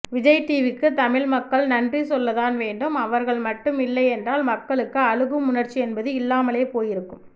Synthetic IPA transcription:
ʋɪd͡ʒɐjʈ̪ːiːʋɪkːɯt̪ɐmɪɭmɐkːɐɭnɐndrisɔlːɐðaːnʋeːɳɖɯmɐʋɐɾɣɐɭmɐʈːɯmɪlːɐɪɛndraːlmɐkːɐɭɯkːɯɐɻɯɣɯmːʊnɐɾt͡ʃːiɛnbɐðɯɪlːaːmɐleːpoːjɪɾɯkːɯm

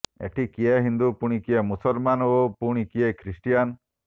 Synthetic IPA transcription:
ḛʈʰikieɦind̪upuɽ̃ikiemusɔlmanopuɽ̃ikiekʰɾisʈijan

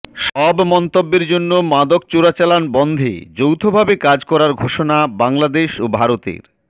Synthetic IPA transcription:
ʃɔbmɔnt̪obːeɾd͡ʑonːomad̪ok̚t͡ɕoɾat͡ɕalanbɔnd̪ʱḛd͡ʑowt̪ʰobʱabekad͡ʑkɔɾaɾɡʱoʃonabaŋlad̪eʃobʱaɾot̪ḛɾ

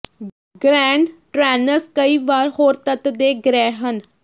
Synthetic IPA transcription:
ɡɾɛ̃ːɳɖʈɾɛːnəɾskəiːʋaːɾhoːɾt̪ət̪d̪eːɡɾɛːɦən

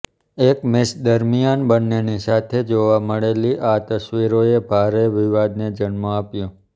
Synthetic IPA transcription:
ekmɪsd̪əɾmijanbənːenisat̪ʰed͡ʒoʋaməɭeliʔat̪əsʋiɾoebʱaɾeʋiʋad̪ned͡ʒəɳmõapjũ

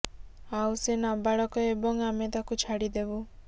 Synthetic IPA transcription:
awsenabaɭɔkɔebɔŋamet̪akut͡ʃʰaɽid̪ebu

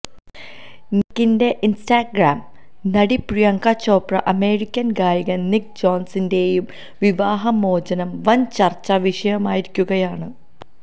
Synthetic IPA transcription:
nikːinde̞ʔinstaːɡraːm | nɐɽiprijɐŋkat͡ɕːo̞ːprɐʔɐme̞ːrikʲːɐnɡaːɾiɣɐnik̚d͡ʑoːnsinde̞ːjum | ʋiʋaːɦɐmo̞ːd͡ʑɐnɐmʋɐnt͡ɕɐrt͡ɕːɐʋiʂɐjɐmaːjiɾikʲːuɣɐjaːɳɨ

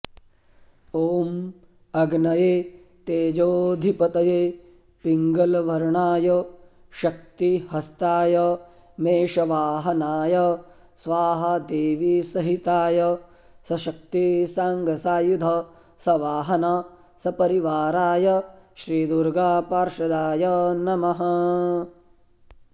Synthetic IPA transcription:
oːm | ɐɡnɐjeː | t̪eːd͡ʒoːd̪ʱipɐt̪ɐjeː | piŋɡɐlʋɐɾɳaːjɐ | ʃɐk̚t̪ihɐst̪aːjɐ | meːʃɐʋaːɦɐnaːjɐ | sʋaːɦɐd̪eːʋisɐɦit̪aːjɐ | sɐʃɐk̚t̪isaːŋɡʱɐsaːjud̪ʱɐ | sɐʋaːɦɐna | sɐpɐɾiʋaːɾaːjɐʃɾiːd̪uɾɡaːpaːɾʃɐd̪aːjɐnɐmɐɦɐ

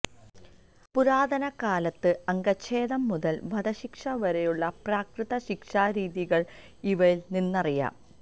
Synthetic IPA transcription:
puɾaːd̪ɐnɐkaːlɐt̪ːɨɐŋɡɐt͡ɕʰːe̞ːðɐmːuðɐlbʱɐd̪ɐɕikʂɐʋɐɾejuɭːɐpraːkrɨðɐɕikʂaːɾiːðiɣɐɭ | iʋɐjilninːɐrijɐ̰ː

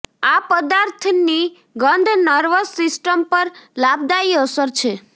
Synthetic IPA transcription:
apəd̪aɾt̪ʰni | ɡənd̪ʱnəɾʋəsɪsʈəmpəɾlab̚d̪aiəsəɾt͡ʃʰe

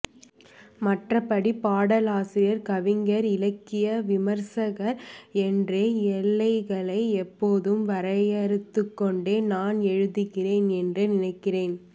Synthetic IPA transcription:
mɐʈrɐpːɐɽipaːɽɐlaːsɪɾɪjɐɾkɐʋɪŋɡɐɾɪlɐkːɪjɐʋɪmɐɾsɐɣɐɾɛndreɛlːɐɪɣɐɭɐɪɛpːoːðɯmʋɐɾɐjɐɾɯt̪ːɯkːɔɳɖeːnaːnɛɻɯðɯɣɪreːnɛndrɯnɪnɐɪkːɪreːn

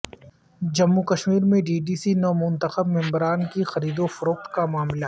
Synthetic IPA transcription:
d͡ʒɐmːukɐʃmiːɾmẽɖiːɖiːsinɔːmʊ̃nt̪əxəbmɪ̃mbɾaːnkixɐɾiːd̪ofɐɾoːk̚t̪kamaːmla

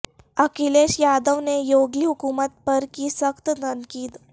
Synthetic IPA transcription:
əkileɕjad̪əʋnejoɡliːɦukumət̪̚pəɾkiːsəkt̪d̪ʱənkiːt̪

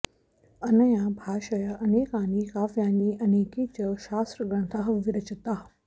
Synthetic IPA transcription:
ɐnəjãbʱaːʃajaʔɐneːkãːnikaːfijãːniʔɐneːkit͡ɕəʃaːsɾɡɐɽ̃t̪ʰaːɦʋɪɾət͡ɕət̪aːɦ

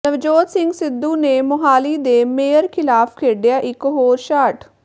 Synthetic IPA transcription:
nəʋd͡ʒoːt̪sɪŋɡsɪd̪ːuːneːmʊɦaːliːd̪eːmeːəɾkʰɪlaːpʰkʰeːɖɪjaːʔɪkɦoːɾʃaːʈ

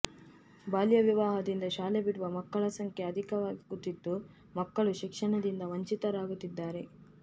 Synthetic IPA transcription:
baːljɐʋiʋaːɦɐd̪ind̪ɐʃaːlebiɽuʋɐmɐkːɐɭɐsɐŋkʰeɐd̪ʱikɐʋaːɡikut̪ːid̪ːu | mɐkːɐɭuʃikʂɐɳɐd̪ind̪ɐʋɐɲt͡ʃit̪ɐɾaːɡut̪ːid̪ːaːɾe̞

